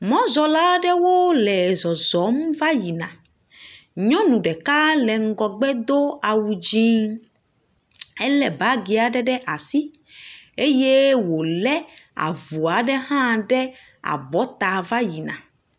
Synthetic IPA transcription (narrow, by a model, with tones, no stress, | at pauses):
mɔ̃˦zɔ˨la˦ɖɛ˦wo˦lɛ˨zɔ˨zɔ˨˦m˦va˦ji˨nã˨ | ɲɔ̃˦nũ˨ɖɛ˨ka˦lɛ˨ŋ̩˦ɡɔ˨ɡ͡bɛ˦d̪o˦a˨wu˨d͡ʑi˦ | ɛ˦lɛ˨ba˨˦ɡi˨a˨ɖɛ˦ɖɛ˦ʔa˨si˦ | e˦je˦wo˨lɛ˦a̰˨vu˨a˨ɖɛ˦ɦã˦ɖɛ˦ | a̰˨bɔ˦t̪a˨va˦ji˨nã̰˨